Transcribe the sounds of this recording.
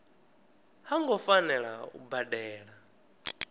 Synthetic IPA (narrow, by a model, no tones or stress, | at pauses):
haŋɡɔfanɛɺa̰ṵbadɛːɺa